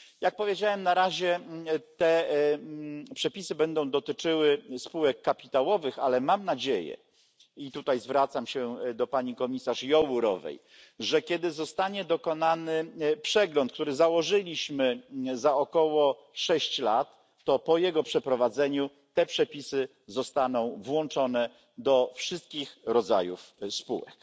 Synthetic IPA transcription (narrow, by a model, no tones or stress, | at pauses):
jak̚pɔvʲjed͡ʑawɛmnaɾaʑɛt̪ɛ | pʂɛpʲisɘbɛnd̪ɔ̃w̃d̪ɔt̪ɘt͡ʂɘwɘspuwɛkːapʲit̪awɔvɘxalɛmamnad͡ʑejɛ̰ | it̪ut̪ajzvɾat̪samɕɛd̪ɔpaɲikɔmʲisaʂjɔwuɾɔ̰vɛ̰j | ʐɛkʲjɛd̪ɘzɔst̪aɲɛd̪ɔkɔnanɘpʂɛɡlɔnt̪̚k̚t̪uɾɘzawɔʐɘlʲiɕmɘzaɔkɔwɔ | ʂɛɕt͡ɕlat̪ː | ɔpɔjɛɡɔpʂɛpɾɔvad̪zɛɲu | t̪ɛpʂɛpʲisɘ | zɔst̪anɔ̃w̃vwɔnt͡ʂɔn̪ɛ | d̪ɔfʂɘst̪̚kʲixɾɔd̪za̰jufspṵwɛ̰k